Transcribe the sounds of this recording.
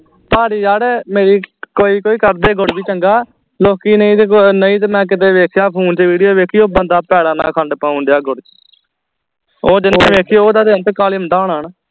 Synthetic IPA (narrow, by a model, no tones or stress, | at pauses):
paːɾiːjaːɽemeːɾiːkoːiːkoːiːkəɾd̪eːɡʊɽbiːt͡ʃəŋɡaː | loːkiːnəĩːt̪nəĩːt̪̬mɛ̃ːk̬ɪt̪̬eːʋeːkʰjaːpʰuːnt͡ʃʋiːɽijoːʋeːkʰiːoːbənd̪aːpɛːɽaːna̰ːkʰəɳɖpaːʊ̃nd̪jaːɡʊɽ | oːd͡ʒɪnːẽːʋeːkʰiːoːd̪aːd̪eːnt̪ekaːlɪmd̪ãːɳaːn